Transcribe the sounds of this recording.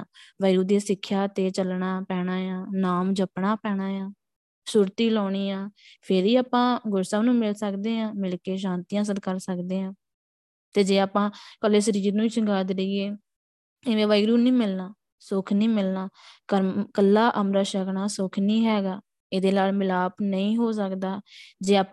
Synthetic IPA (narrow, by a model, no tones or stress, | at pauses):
ʋaːɾuːd̪eːsɪkʰːjaːt̪eːt͡ʃəlɳaːpɛːɽ̃aːjãːnaːmd͡ʒəpɳaːpɛːɽaːjãː | suːɾt̪iːlɔːɽ̃iːaːpʰɪɾiːaːpãːɡʊɾsaːnũːmɪlsəkd̪eːãːmɪlkeːʃ̬ãːnt̪ijãːs̬əd̪kəɾsəkd̪eːãː | t̪eːd͡ʒeːaːpãːkəlːeːs̬əɾiːɾnũːt͡ʃəŋɡaːd̪ɾiːɡeː | eːʋeːʋaːiɡɾjuːnĩːmɪlnaː | sʊkʰnĩːmɪlnaːkəɾkəlːaːʔəmɾaːʃəknaːsʊkʰnĩːɦɛːɡaː | ed̪eːnaːlmɪlaːpnəĩːɦoːs̬əkd̪aːd͡ʒeːaːp